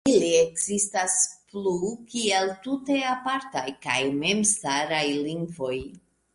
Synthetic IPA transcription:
iliekz̥istasplukieltute̞apaɾtajkajme̞mstaɾajliŋɡvo̞j

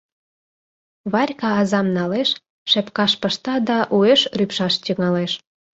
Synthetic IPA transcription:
βɑrʲkɑːzɑmnɑleʃ | ʃepkɑʃpəʃt̪ɑd̪ɑʔueʃrypʃɑʃt̪ʲəŋɑleʃ

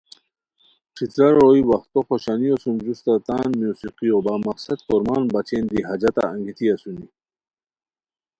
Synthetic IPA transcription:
ʈ͡ʂʰit̪ɾɐɾoːiwɐxt̪oxoɕaniosumd͡ʑust̪at̪aːnmjuːsiqiobaːmɐqsɐd̪̚koɾmaːnbɐt͡ɕeːnd̪iɦɐd͡ʑɐt̪a̰ːŋɡit̪ʰiasuni

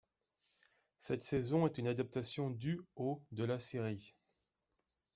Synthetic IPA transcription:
sɛt̪sɛzɔ̃ɛt̪ynad̪ap̚t̪asjɔ̃d̪yod̪əlasiʁi

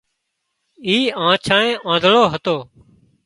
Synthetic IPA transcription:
iːãːt͡ʃʰãːẽːʔãːd̪ʱɭoːɦət̪oː

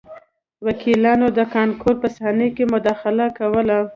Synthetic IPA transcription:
wakʰilɑnod̪əkɑnkoɾpəsɑnəjkemʊd̪ɑxɪlakawəla

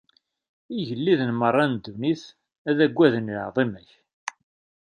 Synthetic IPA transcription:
iʝəlːiðənmərˤːɑnd̪ːuniθ | æðæɡʷːæðənjəʕðˤimæç

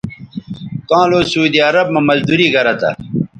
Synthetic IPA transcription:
k̪ãːloːsuːd̪iɐɾɐbmɐmɐzd̪uɾiːɡɐɾɐt̪ɐ̰

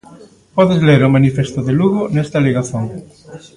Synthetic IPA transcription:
pɔðezleɾomanifest̪oðeluɣonest̪aleɣaθjoŋ

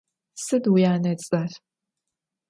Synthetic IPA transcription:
sɨdjaːnɐt͡sʼɐr

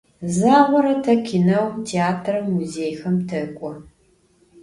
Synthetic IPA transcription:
zaːʁʷɔɾɐtʰɐkʰinɐwtʰeaːtʰrɐmːuzeːjxɐmtʰɐkʷʼɔ

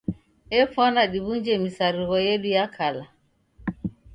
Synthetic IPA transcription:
ɛfwanaɗiβuɲd͡ʒɛmisaɾiɣɔjɛɗujakʰala

